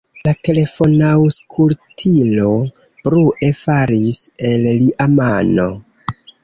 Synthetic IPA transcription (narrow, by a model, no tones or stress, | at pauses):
late̞le̞fo̞nawskʰultʰilo̞ | pɾuʔe̞faɾise̞lliʔamano̞̰